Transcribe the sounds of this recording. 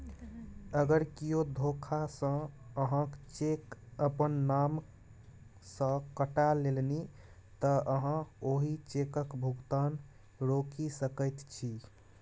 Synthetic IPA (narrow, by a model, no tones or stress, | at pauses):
əɡəɾkiod̪ʱokʰasə̃əɦãkt͡ʃekəpənːam | sə̃kəʈalːelni | t̪əəɦãoɦit͡ʃekəkbʱuɡt̪an | ɾokisəkət̪t͡ʃʰi